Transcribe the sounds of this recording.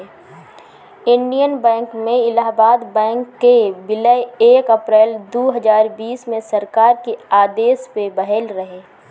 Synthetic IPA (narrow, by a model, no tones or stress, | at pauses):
ɪnɖijənbɛ̃ːŋkmẽɪlaːbaːd̪bɛ̃ːŋkːebɪləeːkəpɾɛːld̪oːɦəd͡ʒaːɾbiːsmẽsəɾkaːɾkeaːd̪eːspebɐɦɛlɾəɦeː